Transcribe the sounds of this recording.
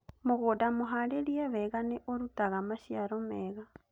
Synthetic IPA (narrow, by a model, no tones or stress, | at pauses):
moɣoːdamoɦaɾeɾiɛβɛɣaneʔoɾutaɣamaʃiaɾɔmɛːɣa